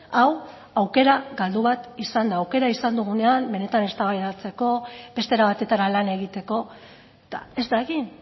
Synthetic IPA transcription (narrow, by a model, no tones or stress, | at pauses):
aw | awke̞ɾaɣald̪uβat̪isand̪aːwke̞ɾaisand̪uɣ̞une̞ambe̞ne̞t̪ane̞st̪aβajðat͡se̞ko̞be̞st̪e̞ɾaβat̪e̞t̪aɾalane̞ɣ̞it̪e̞ko̞ | et̪a̰e̞zd̪aɣin